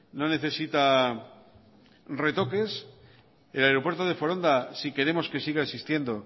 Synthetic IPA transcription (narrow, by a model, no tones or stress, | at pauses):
no̞ne̞θe̞sit̪a | re̞t̪o̞ke̞s | elaeɾo̞pwe̞ɾt̪oð̞e̞fo̞ɾo̞nd̪asike̞ɾe̞mo̞ske̞siɣaesist̪je̞nd̪o̞